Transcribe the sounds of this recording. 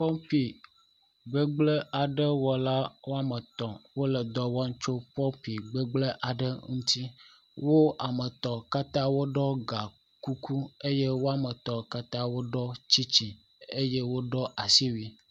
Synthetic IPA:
pɔ˦mɸi˨ | ɡ͡be˦ɡ͡blə˦ʔa˨ɖə˦wɔ˨la˦wo˦a˦mə˨t̪ɔ̃˨wo˦lə˨d̪ɔ˨wa˦ŋ̩˦t͡ʃo˦ɸɔ˦ɸi˨ɡ͡bə˦ɡ͡blə˦ʔa˨ɖə˦ŋũ˦t̪i˦ | wo˦a˨mə˨t̪ɔ˨ka˦t̪ã˦wo˦ɖɔ˦ɡa˨ | ku˦ku˦e˦je˦wo˦a˦˨mə˨t̪ɔ˨ka˦t̪ã˦wo˦ɖɔ˦t͡ɕi˦t͡ɕi˨ | e˦je˦wo˦ɖɔ˦ʔa˨si˦wi˨

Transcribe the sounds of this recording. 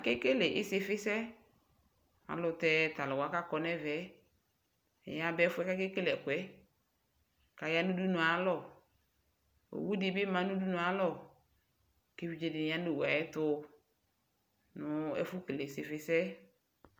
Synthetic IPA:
a˨kɪ˦ke˦le˨ʔɪ̰˦sɪ˦fɪ˦sɛ˦ | a̰˨lʊ˨tɛ˦ta˨lɔ˨wa˨˦ka˦kɔ˨˦nɛ˦vɛ˨˦ | ɛ̰˨ja˦bɛ˦fʊ˦ɛ˦ka˦ke˦ke˦lɛ˨kʊ˨ɛ˦ | ka˨ja˦nu˦du˦nʊ̃˨a˨˦lɔ˨ | o̰˨wu˦dɪ˦bɪ˦mã˨nʊ̃˦du˦nʊ̃˨a˦lɔ˦˨ | ke˦vi˦d͡ʒe˦dɪ˨˦a˦ne˨wu˨a̰˨jɛ˦tʊ˦ | nʊ˦ɛ̰˦fʊ˦ke˨le˨sɪ˨fɪ˦sɛ˦

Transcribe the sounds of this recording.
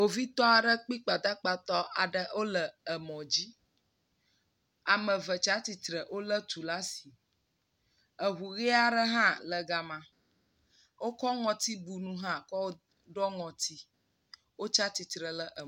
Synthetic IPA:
o˨vi˦t̪ɔ˦a˨ɖə˦k͡pi˦k͡pa˨d̪a˦k͡pa˨t̪ɔ˦ʔa˨ɖə˨ʔo˦lə˨ə˨mɔ̃˨d͡ʑi˦ | a˨mə̃˨və˨t͡ʃa˦t̪i˨t̪ɾə˨ʔo˦lə˦t̪u˨la˦si˨ | ə˨ɦu˨ɣi˦a˦ɖə˦ɦã˦lə˨ɡa˨mã˨ | wo˦kɔ˦ŋɔ̃˨t̪i˦bu˨nũ˦ɦã˦kɔ˦w | ɖɔ˦ŋɔ̃˨t̪i˦ | wo˦t͡ʃa˦t̪i˨t̪ɾə˨lə˦ʔə˨

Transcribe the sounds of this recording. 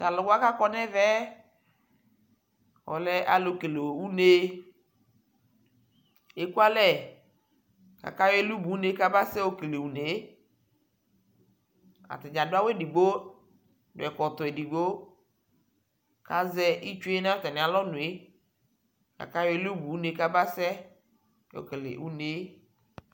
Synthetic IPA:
ta˨lɔ˨ɡa˦ka˦kɔ˦nɛ˦vɛ˦ | wɔ̰˨lɛ˦ʔa˨lo˨ke˨le˨wu˦ne˦ | e˨ku˦a˦lɛ˦˨ | ka̰˨ka˦je˦lu˦bu˨u˦ne˦ka˦ba˦sɛ˦wo˦ke˨le˨wu˨ne˨˦ | a̰˨t̪ɛ˨d͡ʒa˨do˦a˦we˦di˨ɡ͡bo˦ | do̰˨ɛ˨kɔ˨t̪ɔ˨e˨di˨ɡ͡bo˦ | ka˦zɛ˦i˦t͡ʃu˦e˦nã˦t̪a˨nĩ˨a˨lɔ˦nũ˨e˦ | ka̰˨ka˦jɔ˦e˦lu˦bu˨u˦ne˦ka˦ba˦sɛ˦ | wo̰˦ke˨lḛ˨wu˦ne˦

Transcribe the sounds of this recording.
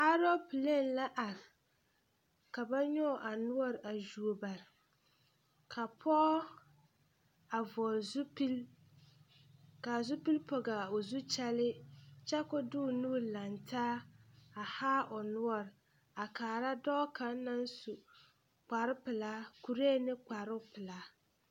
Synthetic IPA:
a˦ɾɔ˦pi˨le˦˨n˦la˦ʔa˨ɾ | ka˨ba˦ɲɔ˦˨ʔa˨nʊ˦ɔ˦ɾa˨ʒu˨o˨ba˨ɾɪ˨ | kʰa˨pʰɔ˦ | a˨vɔ˨lzu˦pi˦l | ka˨zu˦pi˦lpʰɔ˨ɡa˨o˨zu˦t͡ʃɛ˦lɪ˦t͡ʃɛ˦kʊ˦dʊ˦˨nuː˦la˨ntʰaː˦a˨haː˦ʔɔ˨nʊ˦ɔ˨ɾɪ˨ | a˨kaː˨ɾa˦dɔː˦ka˨˦na˦n˦su˨ | k͡pa˨ɾɪ˦pɪ˨la˦ku˨ɾeː˦˨nɪ˦k͡pa˨ɾʊ˦pɪ˨la˨˦

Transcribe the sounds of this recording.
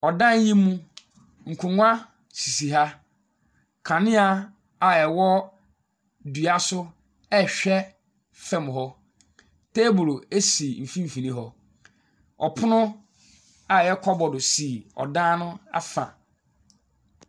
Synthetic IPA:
ɔ˨dã˦ɲ˦jĩ˦mːũ˦ | ŋ̩˨kʰũ˨ŋʊ̃˦a˦ | si˨si˨ɦa˦ | kʰã˨nɪ̃˦a˨ | a˨ɛ˨wɔ˦ | dɥa˨sʊ˦ | ɛ˦ɕᶣɛ˦ | fɛ˦m̃˨ɦɔ˦ | tʰe˦bʊ˨le˦si˨m̩˨fĩ˦m̩˨fĩ˨nĩ˦ɦɔ˦ | ɔ̰˨pʰʊ˦nʊ̃˦ | a˨jɛ˦kʰɔ˦bɔ˨dʊ˨si˨ɔ̰˨dã˦nʊ̃˦a̰˦fã̰˨

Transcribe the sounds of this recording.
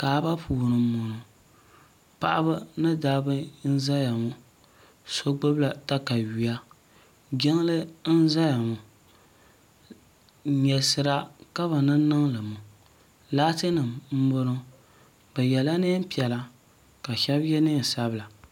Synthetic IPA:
kaː˨˦ba˦pʰuː˨nɨ˨mʊ˨nʊ˨ | pa˦ʔa˦ba˦nɨ˦daː˦bɨ˦n̩˦za˦ja˨ŋʊ˦ | so˦ɡ͡bʊ˦bla˨ta˦ka˨ɥi˨ja˦ | ɡɛ˦ŋ˦lɨ˦n̩˦za˦ja˨ŋʊ˨˦ | ɲɛ˨sɨ˨ɾa˦ka˦βa˨nɨ˦nɨ˦ŋlɨ˨mʊ˨ | laː˦tɨ˦nɨ˨mm̩˦bʊ˦nɨ˦ | ba˨jɛ˨la˦ne˦m̩˦pi˨ɛ˨la˦ | ka˨ʃɛ˦bjɛ˦nɨ˦˨sa˦bɨ˦la˨

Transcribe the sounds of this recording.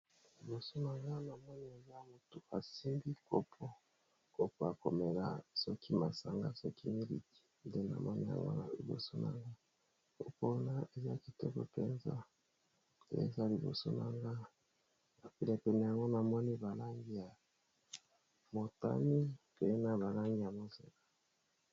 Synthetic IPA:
li˨bo˨so˦na˨ŋɡa˦na˨mɔ˦ni˦e˨za˦mo˨to˨ʔa˨si˦mbi˦kʰo˦pʰɔ˦ | ko˦pɔ˦ja˨ko˨me˨la̰˨sɔ˦kʰi˦ma˨sa˨ŋɡa˦sɔ˦ki˦mi˦lḭ˨ti̥˦de˦na̰˨mɔ˦ni˦ja̰˨ŋɡo̰˦na˨lḭ˨bo̰˨so˦nʔa̰˨ŋɡa˦ | ko̰˦po˦na˦e˨za˦ki˨tɔ˦ko˦pe˦nza̰˦˨ | ḛ˦za˦li˨bo̰˨so̰˦na˨ŋɡa˦ | a˨pi˨le˨pɛ˨nɛ˨ja˨ŋɡo˦na˨mɔ˦ni˦ba˨la˦ŋɡi˦ja˨ | mo˨ta̰˦ni˦pe˨˦na˨βa˨la˦ŋɡi˦ja˨mo˨zḛ˨la˨

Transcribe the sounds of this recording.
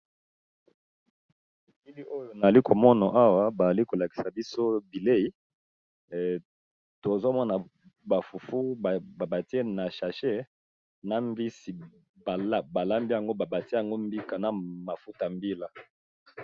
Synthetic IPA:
e˨ki˦li˦o˦jo˨na˨a˨li˦ko˨mɔ˦na˨ʔa˦wa˦ba˨za˨li˦ko˨la˨ki̥˨sa˨bi˦so˦bi˨le˦i˦˨ | to˨zo˦mɔ˦na˨ | ba˨fu˨fu˦˨ba˨ba˨ti˦e˦na˨ʃa˨ʃe˦ | na˨mbi˦si˨ | ba˨la˦ba˨la˦mbi˦ja˨ŋɡo˦ba˨ba˨ti˦ja˨ŋɡo˦mbi˦ka˨na˨ma˨fu˦ta˨mbi˦la˦

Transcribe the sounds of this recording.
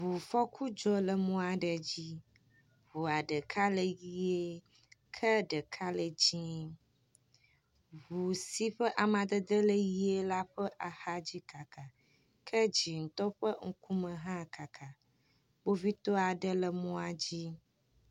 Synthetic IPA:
βu˨fɔ˦kʰu˦d͡ʒɔ˦lə˨mũ˦a˨ɖə˨d͡ʑi˦ | βu˨a˨ɖə˨kʰa˦lə˨ji˦e˦ | kʰə˦ɖə˨kʰa˦lə˨d͡ʑĩ˦ | βu˨si˦ɸə˦ʔa˨mã˨d̪ə˦d̪ə˦lə˦ji˦e˦la˦ɸə˦ʔa˨ha˦d͡ʑi˦ka˨ka˨ | kʰə˦d͡ʑi˨ŋ̩˨t̪ɔ˦ɸə˦ŋ̩˦ku˦mə̃˨ɦã˦ka˨kʰa˨ | bo˦vi˦t̪o˦a˨ɖə˦lə˨mũ˦a˨d͡ʑi˦

